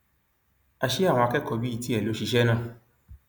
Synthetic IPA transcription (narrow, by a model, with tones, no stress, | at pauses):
a˧ʃe˦a˦˨w̃ɔ̃˧a˧kɛ˦kɔ˧˦bi˦i˧˨ti˦ɛ˦˨lo˨˦ʃi˧ʃɛ˦nãː˦˨